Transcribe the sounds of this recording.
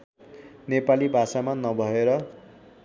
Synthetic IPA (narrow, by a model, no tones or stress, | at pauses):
nepalibʱasamanʌbʱʌeɾʌ